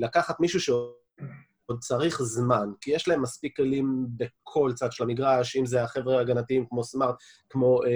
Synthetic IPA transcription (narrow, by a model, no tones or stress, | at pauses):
lakaχat̪miʃuʃe | od̪̚t͡saʁiχzmankijeʃlaemːaspikːelimbe̞kʰo̞lt͡sad̪ʃelamiɡʁaʃimzeaχevʁeaɡanat̪iimkmo̞smaʁt̪ | kmo̞